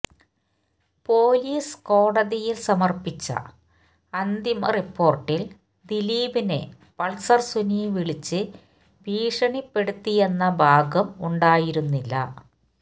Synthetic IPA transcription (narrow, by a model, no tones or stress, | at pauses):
po̞ːliːsko̞ːɽɐðijilsɐmɐrpit͡ɕːɐ̰ | ɐnd̪imɐ̰ripːo̞ːrʈːil | d̪iliːbine̞̰ | pɐɭsɐrsuniʋiɭit͡ɕːɨ | bʱiːʂɐɳipːe̞ɽut̪ːije̞nːɐbʱaːɡɐmuɳɖaːjiɾunːilːɐ̰